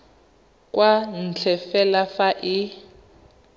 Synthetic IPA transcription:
kʼwan̩t͡ɬʰɛfɛlafaʔɪ

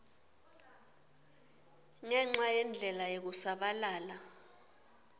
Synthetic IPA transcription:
ŋɛŋ͡ǁajɛnd͡ɮʱɛlajek̬usaɓalaːla

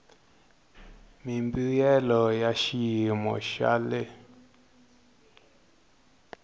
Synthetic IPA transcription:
mimbijɛlɔjaʃijimɔ̰ʃa̰lɛ

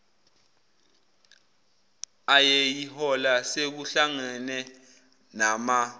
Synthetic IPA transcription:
ajejihɔlasek̬uɬaŋɛnɛ | nama

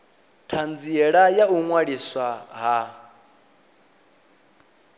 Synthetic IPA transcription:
tʰand͡ziɛɺajauŋwaɺiswaɦa

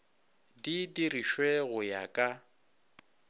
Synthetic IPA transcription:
didiriʃweɣʊja̰kʼa

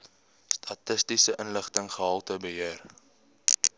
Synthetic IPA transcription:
stʰɐtəstisəʔənləχtəŋχəɦɐlˠtəbəɦiər

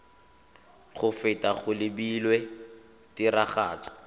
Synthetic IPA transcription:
χʊfɪtʼaχʊlɪbilwɛ | tiɾaχaːt͡sʼɔ̥

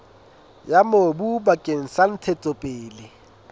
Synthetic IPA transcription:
jamobubakʼeŋ̩san̩tʰɛtʼɔpʼeːlɪ

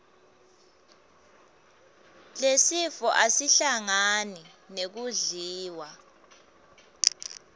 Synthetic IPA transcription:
lesifɔʔasiɬaŋani | nek̬uɮiːwa

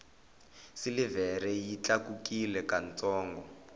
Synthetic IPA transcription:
silivɛɾɛjit͡ɬakukilɛkant͡sɔːŋɡɔ

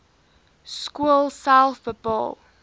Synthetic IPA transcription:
skulˠsaʊθfʊt̚b̥ɔ̰lˠ

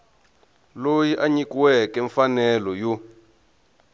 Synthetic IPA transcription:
lojiʔaɲikiwɛkɛɱfanɛlɔju

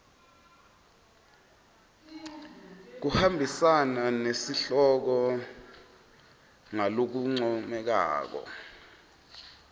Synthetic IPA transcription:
k̬uhambʱisananesiɬɔk̬ɔ | ŋalok̬uŋ͡ǀɔmɛk̬a̰ːk̬ɔ̰

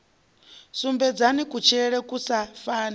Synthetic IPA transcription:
sumbɛd͡zanikut͡ʃʰɛɺɛkusafaːna

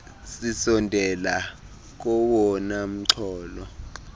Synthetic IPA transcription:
sisɔndʱɛla | k̬ɔwɔnam̩ǀʰɔːlɔ

